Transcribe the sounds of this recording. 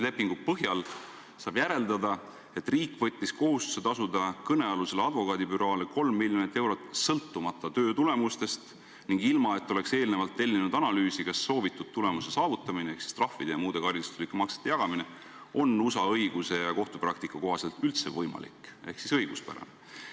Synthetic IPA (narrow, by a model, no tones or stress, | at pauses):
lepːˑiŋɡ̥upɤɦjɑl | sɑːb̥jæɾe̞ld̪ɑd̪ɑ | e̞t̪ːriːkːˑvɤt̪ʲːisko̞ɦust̪u̥se̞t̪ɑsud̪ɑkɤne̞ɑluse̞leɑd̪vo̞kɑːd̪ipyɾɑːleko̞lmːiljonit̪ːˑe̞wɾo̞t̪sɤlt̪ːumɑt̪ˑːɑt̪ø̞ːt̪ule̞must̪e̞st̪ | niŋɡilmɑet̪ːo̞le̞kse̞ːlnevɑlt̪ːe̞lʲːinud̪ɑnɑlyːsikɑsːo̞ːvit̪ːˑud̪̥̚t̪ːule̞muse̞sɑːvut̪ːˑɑminee̞hksi̥st̪rɑhvid̪̥ejɑmuːd̪̥e̞kɑɾjist̪u̥slikːˑemɑkse̥t̪ːejɑɡ̥ɑmine | o̞nusɑɤjɡ̥use̞jɑko̞ht̪uprɑk̚t̪ikːˑɑko̞ɦɑse̞lt̪ylt̪se̞vɤjmɑ̰lḭke̞hksisɤ̞jɡ̥uspæ̰ɾɑ̰ne